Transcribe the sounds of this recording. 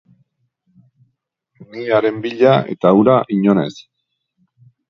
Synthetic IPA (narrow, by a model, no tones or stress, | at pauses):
niaɾe̞mbiʎae̞̰t̪auɾaʔiɲo̞ne̞s